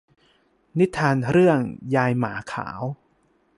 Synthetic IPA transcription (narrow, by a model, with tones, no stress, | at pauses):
ni˦˥t̪ʰːaː˧nɾɯ˥˩əŋjaː˧jmaː˩˦kʰa̰ː˩˦w